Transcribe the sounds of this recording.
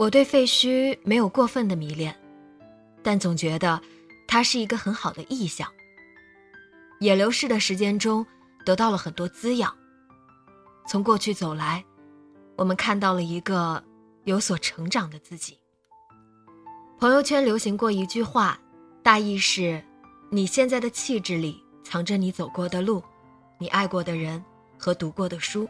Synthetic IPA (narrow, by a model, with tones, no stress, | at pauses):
wɔ˨˩t̪̬we˥˧ɪfe˥˩ɪɕy˥me˧˥ɪjo˨˩ʊkwɔ˥˧fə˥˩nd̪ə˩mi˧˥ljɛ˥˩n | t̪a˥˩nt͡sʊ˨˩ŋt͡ɕɥɛ˧˥d̪ə˧ | t̪ʰa˥ʂɻ̩˥˩i˧˥ɡə˧xə˧˥nxɑ˨˩ʊd̪ə̰˦ʔi˥˩ɕjɑ˥˩ŋ | jɛ˨˩ljo˧˥ʊʂɻ̩˥˩d̪ə˩ʂɻ̩˧˥t͡ɕjɛ˥nʈ͡ʂʊ˥ŋ | t̪ɤ˧˥t̪ɑ˥˩ʊlə˩xə˨˩nt̪wɔ˥t͡sɹ̩˥jɑ˨˩˦ | t͡sʰʊ˧˥ŋkwɔ˥˧t͡ɕʰy˥˩t͡so˨˩ʊla˧˥ɪ | wɔ˨˩mə˦nkʰa˥˧nt̪ɑ˥˩ʊlə˩i˧˥ɡə˧ | jo˧˥ʊswɔ˨˩ʈ͡ʂʰɤ˧˥ŋʈ͡ʂɑ˨˩ŋd̪ə˦t͡sɹ̩˥˩t͡ɕi˨˩˦ | pʰɤ˧˥ŋjo˧ʊt͡ɕʰɥɛ˥nljo˧˥ʊɕi˧˥ŋkwɔ˥˩i˧˥t͡ɕy˥˧xwa˥˩ | t̪a˥˧i˥˧ʂɻ̩˥˩ | ni˨˩ɕjɛ˥˧nt͡sa˥˩ɪd̪ə˩t͡ɕʰi˥˧ʈ͡ʂɻ̩˥˩li˨˩ | t͡sʰɑ˧˥ŋʈ͡ʂə˥˧ni˧˥t͡so˨˩ʊkwɔ˥˩d̪ə˨lu˥˩ | ni˨˩ʔa˥˧ɪkwɔ˥˩d̪ə˩ɻə˧˥n | xɤ˧˥t̪u˧˥kwɔ˥˩d̪ə˩ʂu˥